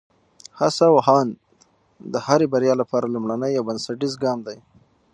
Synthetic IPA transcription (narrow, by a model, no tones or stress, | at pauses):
hasawaɦɑn | d̪əhaɾebaɾjɑlapɑɾalumɽanəjawbansaʈizɡɑmd̪aj